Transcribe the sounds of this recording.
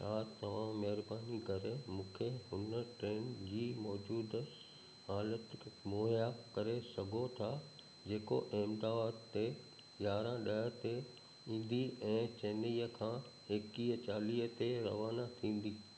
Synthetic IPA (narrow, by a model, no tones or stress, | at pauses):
ʃaːt̪ɐʋ̤ãmɐɦɪɾbaːnikɐɾemũːkʰeɦʊnəʈɾeːnd͡ʑiːmɔːd͡ʑuːd̪ | haːlət̪moːɦjakɐɾesɐɡʱot̪ʰa | d͡ʑeːko̰ʔeːmd̪aːt̪ːe | jaːɾãɗɐət̪e | ĩːn̆d̪iɛ̃ːt͡ɕeːniːəkʰãː | eːkiɦət͡ɕaːliːɦət̪eɾɐ̰ʋaːnat̪ʰĩːn̆d̪iː